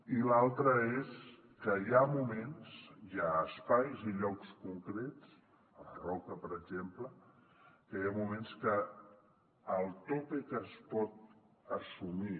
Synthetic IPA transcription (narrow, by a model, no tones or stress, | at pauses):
ilalˠt̪ɾəes | kəjamumensjaəspajziʎɔkskuŋkɾet͡s | əβərɔkəpəɾəɡʒemplə | kəjamumẽnskə | lˠt̪opikəspɔt̪̚ | əsumi